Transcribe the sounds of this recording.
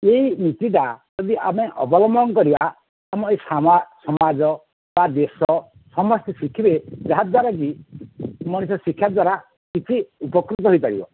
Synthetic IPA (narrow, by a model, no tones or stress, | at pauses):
eɦinit̪iʈad͡ʒɔd̪iʔameʔɔbɔlɔmbɔŋkɔɾibaː | mɔesamasɔmad͡ʒɔ | bad̪esɔ | sɔmɔst̪ɛsikʰibed͡ʒaɦat̪waɾaɡ̬i | mɔɽ̃isɔsikʰːjad̪waɾa | kit͡ʃʰiupɔkɾut̪ɔɦojpaɽḭbɔ̰